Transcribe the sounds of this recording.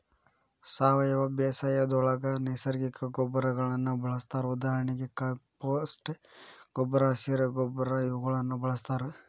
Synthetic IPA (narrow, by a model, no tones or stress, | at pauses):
saːʋɐjɐʋɐbeːsaːjɐd̪ɔɭɐɡɐnɐjsɐɾɡikɐɡɔbɐɾɐɡɐɭɐnːubɐɭɐst̪aːɾeud̪aːɦɐɾɐɳiɡekɐpoːsʈɡ̥ɔbɾaːsiɾɐɡɔbɾaiʋɐɡɐɭɐnːubɐɭɐst̪aːɾe